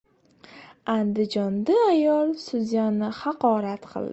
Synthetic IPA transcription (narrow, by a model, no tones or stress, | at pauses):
and̪ɪd͡ʒɒnd̪aajɒlˠsʊzijanɪhɑqɒɾat̪qʰɨ̰lˠd̪